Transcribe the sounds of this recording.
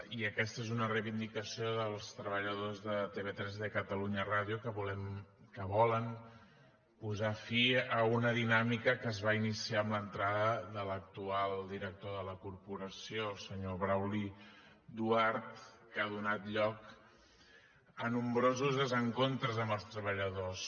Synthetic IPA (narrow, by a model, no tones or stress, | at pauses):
iəkɛst̪əezunərəjβind̪ikəsioðəlˠst̪ɾəβəʎəðozðət̪eβet̪ɾɛzðekət̪əluɲəraðjukəβulɛm | kəβɔlən | puzafiəunəðinamikəkəːzβainisiaəmlənt̪ɾaðəðələk̚t̪ualˠd̪iɾək̚t̪oðələkuɾpuɾəsiosəɲoβɾawli | d̪uaɾt̪ | kaðunat̪ʎɔk | ənumbɾozuzðəzəŋkont̪ɾəzəməlˠst̪ɾəβəʎəðos